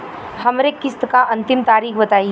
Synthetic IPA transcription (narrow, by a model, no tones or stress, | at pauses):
hɐmɾekɪst̪kaʔɐ̃nt̪ɪmt̪aːɾiːxbɐt̪aːi